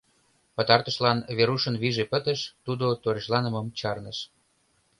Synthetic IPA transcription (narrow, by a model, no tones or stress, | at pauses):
pət̪ɑrt̪ə̆ʃlɑnβeɾuʃənβiʒepət̪ə̆ʃt̪ud̪ot̪oɾeʃlɑnə̆məmt͡ɕɑrnəʃ